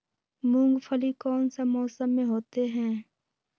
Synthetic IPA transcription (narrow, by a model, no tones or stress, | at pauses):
mʊ̃ŋɡpʰəlikɔːnsamɔːsəmːẽɦoːt̪eɦɛ̃ː